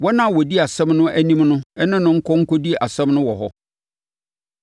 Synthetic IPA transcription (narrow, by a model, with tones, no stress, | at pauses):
wɔ˦nã˦˨wɔ˨di˦a˨sɛ̃˦mnʊ̃˦ʔæ˦nĩ˦mnʊ̃˦ɛ˦nɪ̃˦nʊ̃˦ŋ̩˦kʰɔ˦ŋ̩˦kɔ˦di˦a̰˨sɛ̃˦mnʊ̃˦wɔ˨ɦɔ˦